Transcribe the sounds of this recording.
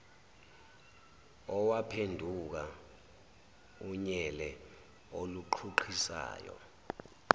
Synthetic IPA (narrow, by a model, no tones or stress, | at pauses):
ɔwapʰendʱuk̬a | uɲɛlɛ | oluǃʰuǃʰisa̰ːjɔ̰